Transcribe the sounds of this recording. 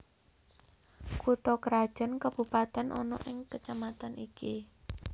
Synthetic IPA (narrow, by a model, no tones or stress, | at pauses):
kut̪ɔkəɾḁʒ̥ə̤nkəb̥ṳpat̪ɛnʔɔ̰nɔ̰ʔɪŋkət͡ʃamat̪aniki